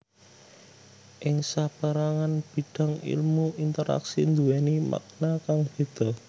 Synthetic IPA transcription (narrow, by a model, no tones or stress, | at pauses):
ʔɪŋsab̥aɾaŋanb̥i̤ɖ̥ä̤ŋḭlmuint̪əɾa̰ksind̪uɛnimʔa̰k̚nakaŋb̥e̤d̪̥ɔ̤